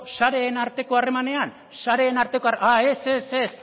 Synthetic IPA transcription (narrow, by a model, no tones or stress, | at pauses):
ʃaɾe̞ːnaɾt̪e̞ko̞are̞mane̞an | ʃaɾe̞ːnaɾt̪e̞koaae̞seses